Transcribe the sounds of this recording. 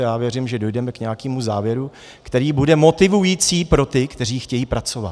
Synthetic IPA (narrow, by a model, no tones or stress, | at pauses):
jaːvjɛɾimʒɛdo̞jdɛmɛkɲɛjakiːmuzaːvjɛɾu | kt̪ɛɾiːbudɛmo̞t̪ɪvujiːt͡siːpɾo̞t̪ɪkt̪ɛr̝iːxcɛjiːpɾat͡so̞va̰t̪